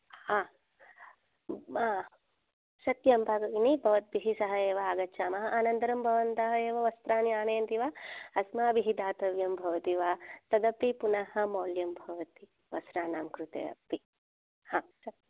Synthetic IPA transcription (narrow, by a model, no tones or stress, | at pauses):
aː | aː | sɐt̪jɐmbʱakɐɡinibʱɐʋɐt̪̚biɦisɐɦɐeːʋɐaːɡɐtːʃʰaːmɐɦɐ̆ʔaːnɐnd̪ɐɾɐmbʱɐʋɐnt̪ɐɦɐeːʋɐʋɐst̪ɾaːnjaːɳeːɐnt̪iʋaːɐsmɐɐbʱiɦid̪aːt̪ɐʋjɐmbʱɐʋɐt̪iʋaːt̪ɐd̪ɐpːipunɐhɐ̆moːljɐmbʱɐʋɐt̪i | ʋɐsɾaːnaːmkɾut̪ḛːɐ̰pːi | haːsɐ